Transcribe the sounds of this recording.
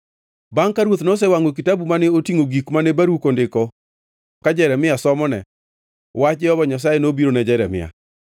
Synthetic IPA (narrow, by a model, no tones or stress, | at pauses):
baŋkaɾwot̪nɔs̬ɛwaŋɡok̬itabumanɛotiŋoɡikmanɛbaɾukondɪkɔ | kad͡ʒɛɾɛmɪasɔmɔnɛ̰ | wat͡ʃɛɔbɔɲas̬ajenobiɾonɛd͡ʒɛɾɛ̰mɪ̰a̰